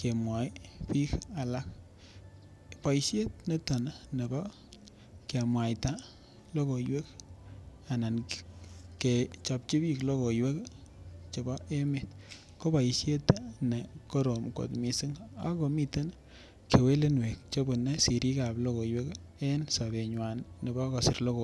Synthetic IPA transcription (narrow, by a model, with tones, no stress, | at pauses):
ke˨mwa˨jpi˦ka˨la˦k̚ | pa˨jʃje˦t̚ne˦ta˨n˨ne˨bɔ˦ | ke˨mwa˨jta˦ | lo˦ko˨jwe˦k | a˨na˨n | ke˨t͡ʃɔ˨p̚t͡ʃi˦bi˦klo˦ko˨jwe˦k | t͡ʃe˨bɔ˦ʔe˦me˦t | ko˦ba˨jʃje˦tne˨ko˦ɾo˨mko̰˨tmi˨si˦ŋa̰˨ko˨mi˦te˦n | ke˨we˦le˦nwe˨k̚t͡ʃo˦bu˨ne˦si˨ɾi˦ka˨blo˦ko˨jwe˦k | e˦nsa˨be˨ɲwa˨nne˨bɔ˦kɔ˨sɪ˨ɾlo˦ko˨